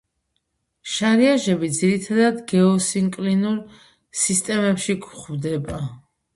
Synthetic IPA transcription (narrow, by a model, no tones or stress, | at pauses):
ʃaɾiaʒɛbid̪ziɾit̪ʰad̪ad̪ɡɛɔsiŋkʼlinuɾ | sist̪ʼɛmɛpʃikʰʼχvd̪ɛba